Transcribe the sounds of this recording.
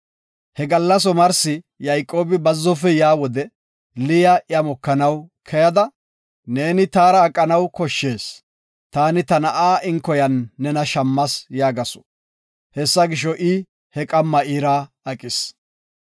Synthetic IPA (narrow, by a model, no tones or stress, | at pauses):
hɛɡɐlːɐs̬ɔmɐɾsɪ | jɐjkʼːo̞ːbɪbɐzːɔfɛjaːwɔd̪ɛ | lɪjɐʔɪjɐmɔkːɐnɐwkʰɛjɐd̪ɐ | ne̞ːnɪt̪aːɾɐːkʼːɐnɐwkɔʃːeːs | t̪aːnɪt̪ɐnɐʔaːʔɪŋkːɔjɐnːɛnɐʃɐmːɐsjaːɡɐsɔ̥ | hɛsːɐɡɪʃɔʔɪ | hɛkʼɐmːɐiːɾaː | ɐkʼɪs